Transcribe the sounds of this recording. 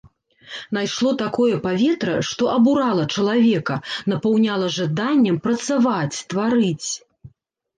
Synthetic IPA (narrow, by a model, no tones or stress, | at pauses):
najʂlˠɔt̪akɔjɐpavʲɛt̪ɾɐʂt̪ɔʔɐbuɾalˠɐt͡ʂɐlˠavʲɛkɐnɐpawnʲalˠɐʐad̪anʲːɐmpɾɐt̪savat͡sʲt̪vaɾɨt͡sʲ